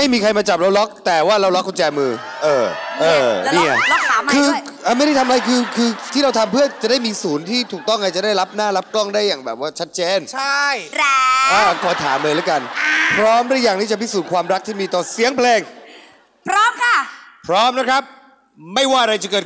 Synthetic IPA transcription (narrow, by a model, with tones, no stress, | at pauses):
ma˥˩jmiː˧kʰa˧jmaː˧t͡ɕa˨˩p̚ɾa˧wlɔ˦˥k̚t̪ɛː˨˩waː˥˩ɾa˧wlɔ˦˥kʰːt͡ɕɛː˧mɯː˧ | ʔɤː˧˩ʔɤː˧˩niː˧˩a˧˩jɔ˦˥k̚aː˨˦kʰɯː˧ʔa˧˩ma˥˩jɾa˥˩t̪ʰa˧mʔa˧jkʰɯː˧kʰɯː˧t̪ʰiː˥˩ɾa˧wt̪ʰa˧mpʰɯ˥˩ɐt͡ɕa˨˩daː˥˩jmiː˧suː˩˦nt̪ʰiː˥˩t̪ʰuː˨˩k̚t̪ɔ˥˩ŋʔa˧t͡ɕa˨˩daː˥˩jla˦˥p̚naː˥˩la˦˥p̚klɔ˥˩ŋdaː˥˩jːaː˨˩ŋbɛː˨˩p̚waː˥˩t͡ɕʰa˦˥t̪̚t͡ɕeː˧nt͡ɕʰa˥˩jʔaː˧˩kʰɔː˧˦t̪ʰa̰ː˩˦mlɤː˧la˦˥jka˧npʰɾɔː˦˥mdaː˥˩jːaː˨˩ŋt̪ʰiː˥˩t͡ɕa˨pʰi˦˥˩suː˨˩kʰwaː˧mɾa˦˥k̚t̪ʰiː˥˩miː˧t̪ɔː˨˩si˨˦əŋpʰlɛː˧ŋ | pʰɾɔː˦˥mkʰa˥˩pʰɾɔː˦˥m̚na˦˥kʰɾa˦˥p̚ | ma˥˩jwaː˥˩ʔa˧ɾa˧jt͡ɕa˨˩kɤː˨˩t̪